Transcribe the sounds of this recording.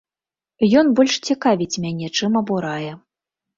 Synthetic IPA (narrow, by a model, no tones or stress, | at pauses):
jɔnbɔlʲʂt͡sʲikavʲit͡sʲmʲanʲɛt͡ʂɨmɐbuɾajɛ